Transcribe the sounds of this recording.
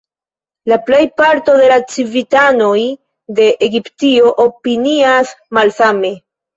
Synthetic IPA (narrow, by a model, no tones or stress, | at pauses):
laple̞jpaɾto̞de̞lat͡sivitano̞j | de̞ʔeɡiptio̞ʔopiniasmalsame̞